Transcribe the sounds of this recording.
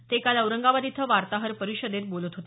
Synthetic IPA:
t̪ekaləwɾəŋɡaʋad̪it̪ʰəʋaɾt̪aɦəɾpəɾiɕəd̪et̪̚bolət̪ɦot̪e

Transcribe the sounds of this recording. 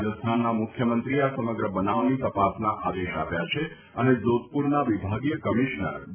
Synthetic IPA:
d͡ʒəst̪ʰanːamʊkʰjəmənt̪ɾiasəməɡɾəbənaʋnit̪əpasnaʔad̪eʃa̰pjat͡ʃʰe | əned͡ʒot̪̚puɾnaʋibʱaɡjəkəmiʃnə̰ɾ

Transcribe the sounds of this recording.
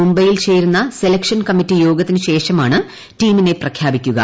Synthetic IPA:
mumbɐjilt͡ɕeːɾunːɐselɐkʂɐnkɐmitːijo̞ːɡɐt̪ːinɨɕe̞ːʂɐmaːɳɨ | tiːmine̞prɐkʰjaːbikʲːuɣɐ̰

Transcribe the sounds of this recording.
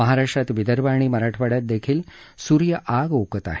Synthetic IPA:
məɦaɾaʂʈɾat̪ʋid̪əɾbaɳ̃iːməɾaʈʰʋaɽjat̪̚d̪ekʰiːl | suɾjəʔaɡokət̪a̰ɦe

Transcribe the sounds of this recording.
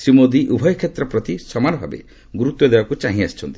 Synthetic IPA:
sɾimod̪iʔubʱɔjɔkʰet̪ɾɔpɾɔt̪isɔmanɔbʱa̰bḛ | ɡuɾut̪ːɔd̪ebakut͡ʃaɦĩast͡ʃʰɔnt̪i

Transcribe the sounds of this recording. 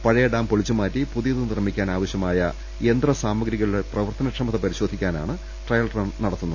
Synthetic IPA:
pɐɻɐjɐɖaːmpo̞ɭit͡ɕːumaːtːipuðijɐðɨnirmikʲːaːnaːʋɐɕjɐmaːjɐ | end̪rɐsaːmɐɡɾiɣɐɭiɽeprɐʋɐrt̪ɐnɐkʂɐmɐt̪ːepɐɾiɕo̞ːd̪ʱikʲːaːna̰ːɳɨ | ʈrɐjɐlrɐnnɐɽɐt̪ːunːu

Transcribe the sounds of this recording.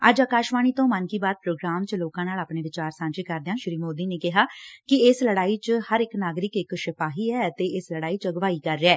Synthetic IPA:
əd͡ʒaːkaːʃʋaːɽ̃iːt̪õːmənkiːbaːd̪̚pɾoːɡɾaːmt͡ʃloːkãːnaːlaːpɳeːʋɪt͡ʃaːɾsãːnt͡ʃiːkəɾd̪ejãːʃɪɾiːmoːd̪iːneːkɪɦaːkɪɪsləɽaːiːt͡ʃhəɾɪknaːɡɾɪkɪkʃɪpʰaːɦiːɛːt̪eːɪsləɽaːiːt͡ʃəɡʋaːiːkəɾːeɛː

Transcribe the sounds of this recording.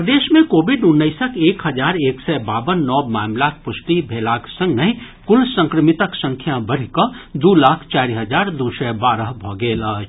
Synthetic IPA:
pd̪eːʃmẽkoːbɪɖʊnːəɪsəkeːkɦəd͡ʒaːɾeːksɛbaːbənːɔːmaːmlaːk̚pʊsʈibʱeːlaːksə̃ŋɡnəɦĩ | kʊlsə̃ŋkɾəmɪt̪əksə̃ŋkʰjabəɽ̤ikəd̪ulaːkʰt͡ʃaːɾiɦəd͡ʒaːɾd̪usɛbaːɾəɦbʱɔːɡeːlə

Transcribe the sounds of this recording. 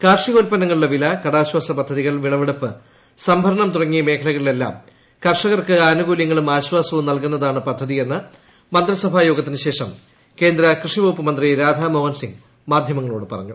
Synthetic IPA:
kaːrʂiɣo̞ːlpɐnɐŋːɐɭuɭɐʋilɐkɐɽaːɕwaːsɐpɐd̪ʱːɐðiɣɐɭʋiɭɐʋeɽupːɨ | sɐmbʱɐɾɐɳɐmt̪urɐŋːijɐme̞ːkʰɐlɐɣɐɭile̞lːa̰ːm | kɐrʂɐɣɐrkɨaːnuɣuːljɐŋːɐɭumaːɕwaːsɐʋumnɐlkunːɐðaːɳɨpɐd̪ʱːɐðie̞nːɨ | mɐnd̪ɾɐsɐbʱaːjo̞ːɡɐt̪ːinɨɕe̞ːʂɐm | ke̞ːnd̪ɾɐkrɨʂiʋoːpːɨmɐnd̪riɾaːd̪ʱamɐʋɐnsiŋɡ | maːd̪ʱjɐmɐŋːɐɭoːɽɨpɐ̰rɐ̰ɲːu

